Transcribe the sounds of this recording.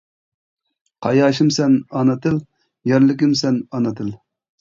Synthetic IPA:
qʰɑjɑːʃimsɛnɑnɨt̪ʰɨl | jɛɾlɪkʲɪmsɛnɑnɨt̪ʰɨl

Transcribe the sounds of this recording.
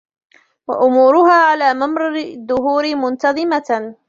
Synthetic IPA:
wa̰ʔʊmuːɾʊɦaːʕalaːmamɾˤɑɾɪðːʊhuːɾɪmʊnt̪ɑðˤɨma

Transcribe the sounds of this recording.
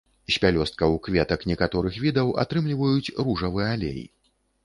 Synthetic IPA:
sʲpʲalʲɔst̪̚kɐwkvʲɛt̪ɐknʲɛkat̪ɔɾɨxvʲid̪ɐwa̰t̪ɾɨmlʲivɐjut͡sʲruʐɐvɨɛalʲḛjḭ

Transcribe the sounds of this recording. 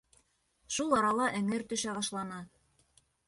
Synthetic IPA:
ʃulˠɑɾɑlˠɑʔɘ̆ŋɘɾt̪ɵ̆ʃæβɑʃlˠɑnɑ

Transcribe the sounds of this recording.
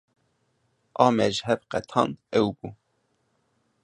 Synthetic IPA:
ɑːmɛʒhɛvqɛt̪ʰɑ̰ːnɛwbu

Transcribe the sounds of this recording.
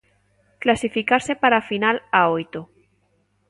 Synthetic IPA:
klasifikaɾse̞paɾafinalaojt̪o

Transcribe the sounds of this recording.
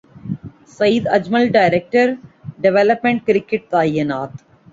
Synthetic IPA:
sɐjd̪ɐd͡ʒmɐlɖaɪɾek̚ʈəɾɖɛʋelɐpmẽɳʈ̚kɾɪkːeʈ̚t̪aːjɐnaːt̪

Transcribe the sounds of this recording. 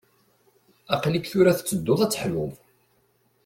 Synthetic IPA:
æqlikθʊɾæθt͡sːəd̪ːʊðˤæt͡sːəħlʊð

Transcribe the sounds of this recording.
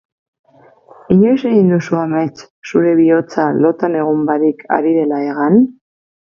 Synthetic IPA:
iɲo̞jse̞ɣind̪usuame̞t͡s | suɾe̞β̞io̞t͡salo̞t̪ane̞ɣ̞umbaɾika̰ɾiðe̞lae̞ɣ̞an

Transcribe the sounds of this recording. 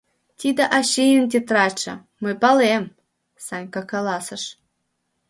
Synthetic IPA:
t̪ʲid̪ə̆ʔɑɕejəmt̪ʲet̪rɑt͡ɕɤ̰̆ | mɨpɑlem | sɑnʲkɑkɑlɑsə̆ʃ

